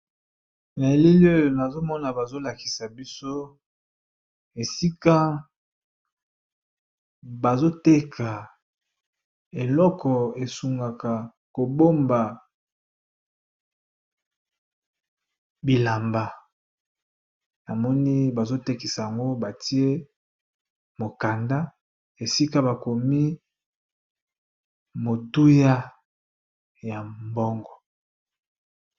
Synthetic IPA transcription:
na˨e˨li˦li˦o˦jo˨na˨zo˦mɔ˦na˨ba˨zo˦la˨ki̥˨sa˨bi˦so˦ | e˨si˦ka˦ | ba˨zo˦te˦kʰa˨ | e˨lɔ˦kɔ˨e˨su˨ŋɡa˨ka˨ | ko˨bo˦mba˨ | bi˨la˨mba˨ | na˨mɔ˦ni˦ba˨zo˦te˦ki˨sa˨ja˨ŋɡo˦ba˨ti˦e˦ | mo˨ka˨nda˦ | e˨si˦ka˦ba˨ko˨mi˦ | mo˨tu˦ja˦ | ja˨mbɔ˦ŋɡɔ˨

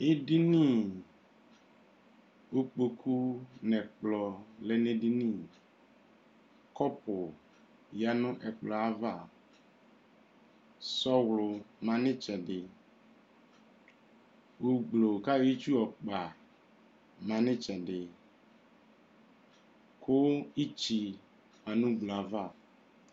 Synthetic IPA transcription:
e˦di˦nĩ˦˨ | o˦k͡po˨kʰu˦nɛ̃˨k͡plɔ˨lɛ˨nẽ˦di˦nĩ˦˨ | kɔ˦pʊ˨ | ja˨nʊ̃˦ʔɛ˨k͡plɔ˨a˦va˦˨ | sɔ˦wlʊ˨mã˨nɪ̃˦t͡ʃɛ˨dɪ˨ | u˨ɡ͡blo˨ka˦je˦t͡ʃu˦ɔ˨k͡pa˨ | mã˨nɪ̃˦t͡ʃɛ˨dɪ˨ | kʰʊ˦i˦t͡ʃi˨ | a˨nʊ̃˦ɡ͡blo˨a˨va˦˨

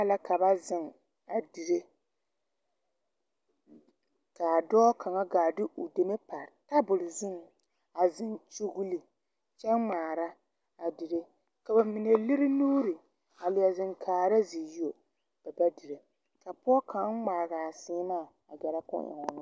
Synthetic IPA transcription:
a˦la˦ka˨ba˦zɪ˨ŋ | a˨di˨ɾe˦ | ka˨dɔː˦kʰa˨ŋa˦ɡaː˨dɪ˦ʔʊ˨de˨me˦pa˨ɾta˦bʊ˨ɾɪ˨zɪ˦ŋ | a˨zɪ˨nt͡ʃu˦ɡli˨ | t͡ʃɛ˦nmaː˨ɾa˦ | a˨di˨ɾe˦ | ka˨ba˨mi˨ne˨li˦ɾɪ˦nuː˦ɾi˨ | a˨lɪ˨a˨zɪ˨ŋkʰaː˨ɾa˦zi˨ji˦o˨ | b̥ɛ˨ba˦di˨ɾe˨ | ka˨pɔ˦kʰa˨˦ŋ͡maː˨ɣa˨sɪː˦maː˦˨ | a˨ɡɛ˨ɾa˦kʊ̰˦ʔɪ̰˨ŋɔ˨nʊ˦

